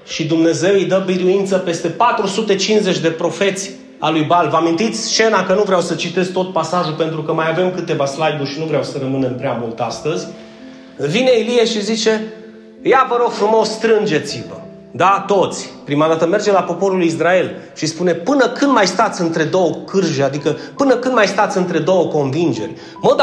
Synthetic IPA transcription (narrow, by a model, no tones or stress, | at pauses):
ʃid̪umne̞ze̞wijd̪əbiɾuint̪səpe̞st̪e̞pat̪ɾusut̪e̞t͡ʃinze̞t͡ʃʲd̪e̞pɾo̞fe̞t̪sʲ | a̰lujbalvəamint̪it̪sʲt͡ʃe̞nakənuvɾeawsət͡ʃit̪e̞s̚t̪o̞t̪̚pasaʒulpe̞nt̪ɾukəmajave̞mkɨt̪e̞vaslajburʲʃinuvɾeawsəɾəmɨne̞mpɾeamult̪ast̪əzʲ | vine̞ilieʃizit͡ʃe̞ | javəɾo̞ɡ̥fɾumo̞st̪ɾɨnd͡ʒe̞t̪sivə | d̪at̪o̞t̪sʲpɾimad̪at̪əme̞rd͡ʒe̞lapo̞po̞ɾulisɾae̞lʃispune̞pɨnəkɨnd̪majst̪at̪sɨnt̪ɾe̞d̪o̞wəkɨrʒead̪ikəpɨnəkɨnd̪majst̪at̪sɨnt̪ɾe̞d̪o̞wəko̞nvind͡ʒe̞rʲ | məd̪